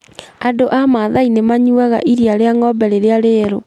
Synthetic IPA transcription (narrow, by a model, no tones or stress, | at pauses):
adoʔamaðainemaɲuaɣa̰ʔiɾiaɾeaŋɔbɛɾeɾeaɾeɾo